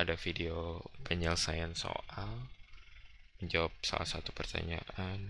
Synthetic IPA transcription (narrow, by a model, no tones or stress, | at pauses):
adafideopɛɲɛlsajanso̰ʔal | məɲd͡ʒawap̚sa̰la̰hsat̪upərt̪a̰ɲa̰ʔan